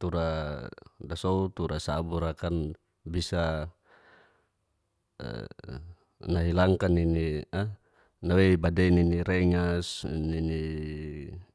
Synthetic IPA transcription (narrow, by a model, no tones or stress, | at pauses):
t̪uɾa | dasout̪uɾasabuɾakan | bisa | naɦilaŋkaninia | naweibadɛininiɾɛŋasnini